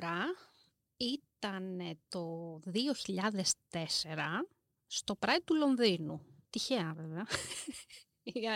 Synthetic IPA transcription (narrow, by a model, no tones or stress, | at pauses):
ɾɐ | it̪ɐnet̪o̞ðio̞çiʎɐðe̞st̪e̞se̞ɾɐ | st̪o̞pɾɐit̪ulo̞nðinut̪içeɐveveɐ